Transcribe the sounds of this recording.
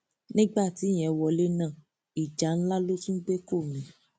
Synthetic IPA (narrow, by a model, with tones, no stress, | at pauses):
nĩ˦ɡ͡ba˦˨ti˨˦j̃ɛ̃˧˨wɔ˧˨le˦nãː˦˨ | i˨d͡ʒa˨˦n̩˦la˦lo˦ti˦ɡ͡be˦ko˦˨mĩ˨˦